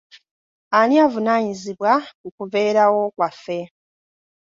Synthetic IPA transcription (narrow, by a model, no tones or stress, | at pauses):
aniavunaɲiziβwakukuve̞ːɾawo̞kwafːe